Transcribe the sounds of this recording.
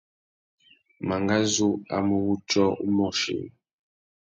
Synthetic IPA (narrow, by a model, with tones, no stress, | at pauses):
ma˨ŋɡa˦zu˦a̰˨mu˦wu˦t͡ʃʼɔ˦u˦mɔ˨ʃḭ˨